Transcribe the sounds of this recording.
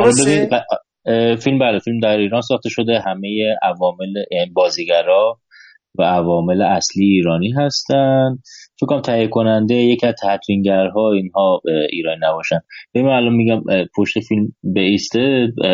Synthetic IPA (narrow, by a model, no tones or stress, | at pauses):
ɒbebinid̪ | filmbæːlefilmd̪æɾiːɾɒːnsɒːxt̪e̞ʃo̞d̪e̞ɦæme̞jeævɒːme̞lejænibɒːziːɡæɾɒ | væævɒːme̞leæsliːeiːɾɒːniːɦæst̪ænd̪̚fekʰːoɾæmt̪ʰæjekʰo̞nænd̪e̞jecʰiæz̥t̪ʰæt̪ʰɾiŋɟæɾɦɒːiːnɦɒːiːɾɒːniːnæbɒːʃænd̪̥̚b̥ejimæælɒnmiɟæmpʰo̞ʃt̪efilmbeiːst̪e